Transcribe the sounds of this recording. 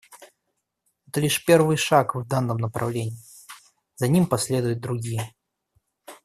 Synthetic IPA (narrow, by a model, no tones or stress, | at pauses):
ɛt̪əlʲiʂpʲe̞rvɨjʂakvd̪anːəmnəpɾʔɐ̰vlʲenʲɪː | z̥ɐnʲimpɐsʲlʲe̞d̪ʊjʊt̪̚d̪ɾʊɡʲijə